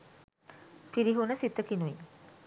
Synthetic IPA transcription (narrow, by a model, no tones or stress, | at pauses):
fiɾiɦunəsit̪ːəkinui